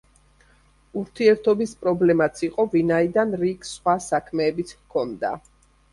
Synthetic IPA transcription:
uɾt̪ʰiɛɾt̪ʰɔbispʼɾɔblɛmat̪sʰiqʼɔvinaid̪anɾiɡsχwasakʰmɛːbit̪sʰkʰɔnd̪a̰

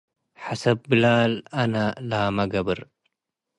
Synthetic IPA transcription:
ħasɐb̚ːɨlaːlɐnɐlaːmɐɡɐbɨɾ

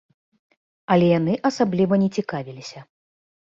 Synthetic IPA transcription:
ɐlʲɛjanɨʔɐsablʲivɐnʲɛt͡sʲikavʲilʲisʲɐ

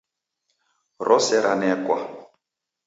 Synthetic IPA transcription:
rʔɔsɛɾanɛkwa

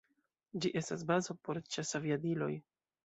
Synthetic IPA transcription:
d͡ʒiʔe̞stas̬bazo̞po̞ɾt͡ʃasaviadilo̞j

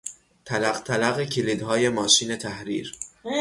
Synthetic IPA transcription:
t̪ʰælæɣt̪ʰælæɣecʰiliːd̪ɦɒːje̞mɒːʃiːne̞t̪ʰæhɾḭːɾ

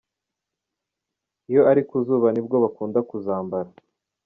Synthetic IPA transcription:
ijo̞ʔaɾikuzuːβanib̚ɡo̞βakuːndakuzaːmbaɾa

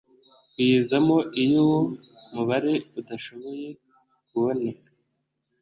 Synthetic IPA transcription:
jizamo̞ʔijowo | muβaɾe̞udaʃo̞βo̞je̞ | kuβo̞neka

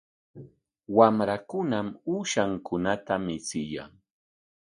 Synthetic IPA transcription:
wamɾakʊnamuʃaŋkʊnat̪amɪt͡sɪja̰ŋ

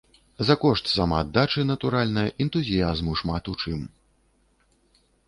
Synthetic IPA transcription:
zɐkɔʂt̪samad̪ːat͡ʂɨnɐt̪uɾalʲnɐjɐʔɛnt̪uzʲijazmuʂmat̪ut͡ʂɨm

